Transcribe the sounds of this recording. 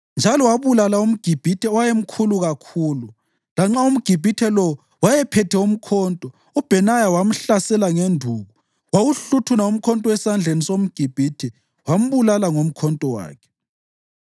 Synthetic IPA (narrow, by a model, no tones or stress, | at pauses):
nd͡ʒʱalɔwaβulalaum̩ɡ̥ʱib̥ʱitʰɛwajem̩kʰuluɣakʰuːlu | laŋ͡ǁaum̩ɡ̥ʱib̥ʱitʰɛlɔ | wajɛpʰɛtʰɛum̩kʰɔːntʼɔ | ub̥ʱɛnajawam̩ɬasɛlaŋendʱuːɣu | wawuɬutʰunaum̩kʰɔntʼɔwɛsand͡ɮʱenisom̩ɡ̥ʱib̥ʱitʰɛ | wam̩βulalaŋom̩kʰɔntʼɔwa̰ːkʰɛ̥